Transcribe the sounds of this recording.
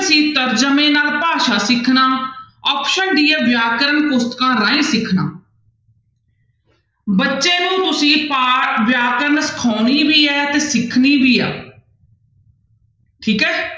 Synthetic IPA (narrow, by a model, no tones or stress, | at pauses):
sĩːt̪əɾd͡ʒəmẽːnaːlpaːʃaːsɪkʰnaːɔːpʃənɖiːaːʋjaːkəɾənpʊst̪kãːɾãːĩːsɪkʰna̰ː | bətːʃeːnũːt̪ʊsĩːpaːʋjaːkəɾənsə̥kʰoːniːʋiːɛːt̪eːsɪkʰniːbiːa̰ː | ʈʰiːkɛː